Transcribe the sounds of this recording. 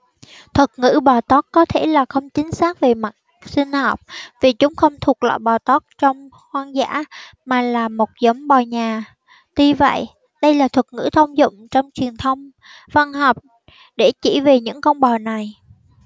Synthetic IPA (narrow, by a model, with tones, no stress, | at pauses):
t̪ʰwə˨˩k̚ŋɨ̰˧˥ɓɔː˨˩t̪ɔ˦˥t̚kɔ˨˦t̪ʰe˧˩laː˨˩xə˧wŋ͡mt͡ɕï˨˦ŋ̟saː˦˥k̚ve˨˩ma˨˩t̚ | sï˧ŋ̟hɔː˨˩p̚vi˨˩t͡ɕʊ˨˦ŋ͡mxə˧wŋ͡mt̪ʰu˨˩ək̚lɔ̰ː˧˨jɓɔ˨˩t̪ɔ˦˥t̚t͡ɕɔ˧wŋ͡m | hwaː˧nza̰ː˧˥maː˨˩laː˨˩mo˨˩t̚zə˨˦wŋ͡mɓɔ˨˩ɲaː˨˩ | t̪i˧və̰˧˨j | ɗə˧jlaː˨˩t̪ʰə˨˩k̚ŋɨ̰˧˥t̪ʰə˧wŋ͡mzʊ̰˧˨ŋ͡mt͡ɕɔ˧wŋ͡mt͡ɕwi˨˩ənt̪ʰə˧wŋ͡m | va˧nhɔː˨˩k͡p̚ | ɗe˧˩t͡ɕḭ˧˩ve˨˩ɲɨ̰˧˥ŋkɔ˧wŋ͡mɓɔ˨˩na˨˩j